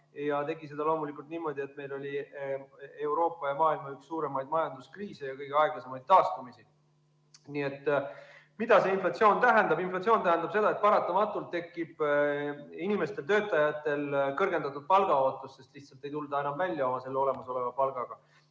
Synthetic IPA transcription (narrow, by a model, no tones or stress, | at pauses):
jɑt̪e̞ɡise̞d̪ɑlo̞ːmulikˑult̪niːmo̞d̪̥ʲie̞t̪ːme̞jlo̞lʲi | e̞uwɾo̞ːpːˑɑjɑmɑːilmɑyksːuːɾe̞mɑjd̪̚mɑjɑnd̪uskriːsejɑkɤjɡ̥eɑeɡ̥lɑsemɑjd̪̥̚t̪ːɑːst̪umisi | nie̞t̪ːˑ | mid̪̥ɑse̞inflɑt̪sio̞ːnt̪æɦend̪̥ɑbinflɑt̪sioːnæhænd̪ɑb̥se̞d̪ɑe̞t̪̚pɑɾɑt̪ːˑɑmɑt̪ːˑult̪ːe̞kːˑib̥ | inime̞st̪e̞lt̪ø̞ːt̪ːˑɑjɑt̪ːˑe̞lkɤrɡe̞nɑt̪ːud̪̥̚pɑlɡ̥ɑo̞ːt̪ːˑusːe̞st̪liht̪sɑlt̪ːˑe̞jt̪uld̪ɑe̞nɑmvælʲːjɑo̞mɑse̞lːeo̞le̞mɑso̞le̞vɑpɑlɡ̥ɑɡ̥ɑ